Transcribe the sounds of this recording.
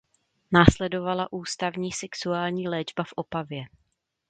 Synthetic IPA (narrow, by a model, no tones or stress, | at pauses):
naːslɛdo̞valaʔuːst̪avɲiːsɛksuaːlɲiːlɛːd͡ʒbafʔo̞pavjɛ